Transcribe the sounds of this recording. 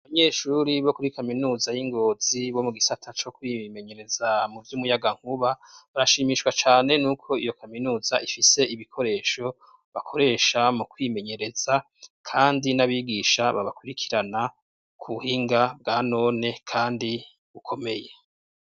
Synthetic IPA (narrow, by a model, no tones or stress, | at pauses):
aβaɲe̞ːʃuɾiβo̞kuɾikaminuːzajiŋɡo̞ːz̥iβo̞muɡisatʰat͡ʃo̞kwime̞ɲe̞ɾe̞zamuvjumujaɡaŋ̥huβaβaɾaʃiːmiʃwat͡ʃaːne̞nuːkʰo̞ijo̞kaminuːzaʔifise̞iβikʰo̞ɾe̞ːʃo̞ | βakʰo̞ɾe̞ːʃamukwime̞ɲe̞ɾe̞z̥a | kʰaːndinaβiɡiːʃaβaβakuɾikʰi̥ɾana | kʰuhiːŋɡab̚ɡaːno̞ːne̞kʰaːndi | ukʰo̞me̞je